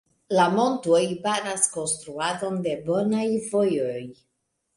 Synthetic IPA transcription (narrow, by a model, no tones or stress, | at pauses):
lamo̞ntojbaɾasko̞nst̪ɾuado̞nde̞bo̞najvo̞jo̞j